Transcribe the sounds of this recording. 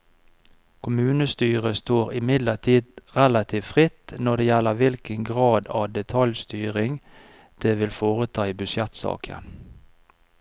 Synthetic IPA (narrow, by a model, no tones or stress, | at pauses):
kʰʊmʉːnəst̪yːʁəst̪oːʁɪmɪd̪ləʈ̪ʰiːd̪ʁɛlɑt̪ʰiːʋfʁɪt̪nɔd̪eːjɛlːəʋɪlkənɡʁɑːd̪ɑːd̪ɛt̪ʰɑljst̪yːʁɪŋ | d̪̥eːʋɪlfoːʁət̪ʰɑːiːbʏsjɛt̪sɑ̰ːkʰə̰n